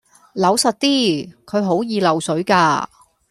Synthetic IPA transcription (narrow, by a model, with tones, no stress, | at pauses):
lɐ˨˥wsɐ˨t̚t̪iː˥kʰɵ˨˧ɥɦo˨˥wjiː˨˧lɐ˨˩wsɵ˨˥ɥkaː˧